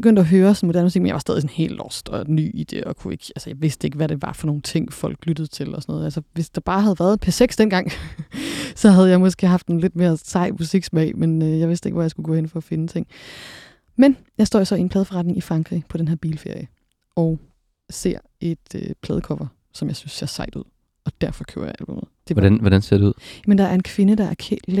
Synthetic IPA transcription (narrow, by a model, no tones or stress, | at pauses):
beɡønd̥æɦøːɐsɒnmo̝dæɐnmusiɡ̥menjɑ̰̈ʋɑsɛːðˠis̬ɔ̽nhe̝̰ːld̥ɒsd̥ɒ̽ny̰ːid̥e̝̰ɒ̽kʰue̝ɡ̥ælsəjɑ̈ɪʋe̝sd̥əe̝ɡ̥ʋæɾ̥e̝ʋɑ̈fɒ̽no̝ːn̩t͡sʰe̝ŋ̰fɒ̽l̰ɡ̥lyd̥əð̞̩ˠt͡sʰe̝lɒ̽sɒnɔ̽ːð̩ˠælsəʋe̝sd̥ɑ̈b̥ɑ̈ːɦæð̞̩ˠʋæɐð̞̩ˠpʰæɐseɡ̥sd̥enɡ̥ɑ̈ŋ̰ | sɒ̽ɦæð̞̩ˠəjɑ̈ɪmɒ̽sɡ̥e̝̰ːɦɑ̈fd̥noːnle̝d̥me̝ːɐsɑ̈ɪ̰musiɡ̥smɛ̰ɪmenøjɑɪʋe̝sd̥eɡ̥ʋæjɪsɡ̥uɡ̥ɔ̰̽ːenfɒ̽ːfe̝nət͡sʰe̝ŋ̰ | men | jɑɪsd̥ɔ̰ːjo̝sɒ̽ienpʰlɛːðˠfɒʁɑ̈d̥ne̝ŋʔifʁɑ̈ŋɡʰʁḭːpʰɒ̽d̥enɦe̝ɐb̥ḭːlfe̝ɐ̰jə | ɒʊ | se̝ɐ̰ | e̝d̥øpʰlɛːð̞ˠəkʰɒmɐ | sɒ̽mjɑ̈ɪsynsːe̝ɐsɑ̈ɪ̰d̥uð̰ˠ | ɒ̽d̥æɐfɒ̽kʰø̰ʊ̰ɐ̰ja̰ælb̥ɔ̽mð̩ˠd̥e̝nʋɒɾænse̝ɐ̰ɾeuð̰ˠjmend̥ɑ̈æɐe̝nkʰʋe̝nəd̥ɑ̈æɐkʰel